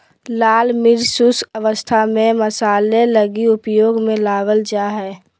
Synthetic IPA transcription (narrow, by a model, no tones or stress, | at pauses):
laːlmɪɾsuːsəʋəst̪ʰamẽməsaːleləɡiʊpjoːɡmẽlaːʋəld͡ʒaɦɛː